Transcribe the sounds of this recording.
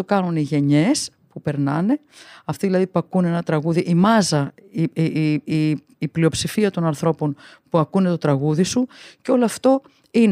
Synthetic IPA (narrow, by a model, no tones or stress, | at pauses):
okɐnuniʝe̞ɲe̞s | pupe̞ɾnɐne̞ | ɐft̪iðilɐðipɐkune̞nɐt̪ɾɐɣuðiʔimɐzɐi | plio̞psifiɐt̪o̞nɐnθɾo̞po̞n | puɐkune̞t̪o̞t̪ɾɐɣuðisuceo̞loɐft̪o̞ | in